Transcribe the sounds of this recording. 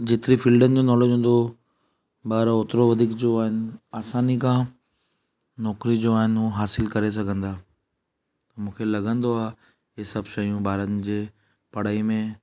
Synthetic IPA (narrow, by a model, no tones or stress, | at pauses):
d͡ʑeːt̪ɪɾifiːlɖənɪ̆d͡ʑoːnɔːleːd͡ʑɦũːn̆d̪o | baːɾoːt̪ɾoʋɐd̪ʱiːkd͡ʑoaːɦɪnɪ̆aːsaːnikãː | nɔːkɾid͡ʑoaːɦɪnɦuɦaːsɪlkɐɾes̬ɐɡʱə̃nd̪aː | t̪ɐmũːkʰelɐɡə̃nd̪oaːɦ | ɦɪsɐbʱʃɐijũbʱaːɾən̆d͡ʑeː | pɐɽ̤aːimẽ